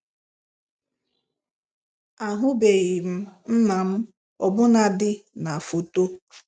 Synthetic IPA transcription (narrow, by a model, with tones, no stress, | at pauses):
a˨ɦʊ˦be˨ɣi˨m̩˦n̩˦na˨m̩˦ | ɔ˨bʊ˦na˨dɪ˦na˨fo˨to˦